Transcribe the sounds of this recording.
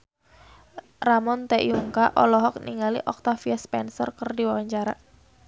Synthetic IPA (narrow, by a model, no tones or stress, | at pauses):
ramɔnt̪ɛʔjuŋkaʔɔlɔɦɔk̚niŋalḭʔɔk̚t̪afiaspɛnsɔ̰rkərdiwawaɲt͡ʃaɾa